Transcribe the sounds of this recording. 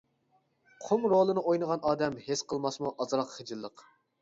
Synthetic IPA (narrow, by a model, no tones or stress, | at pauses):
qʰomɾolˠɨnɨʔojnəʁɑnɑːd̪ɛmhesqʰəlˠmɑsmuʔɑzɾɑqχəd͡ʒɨlˠːəq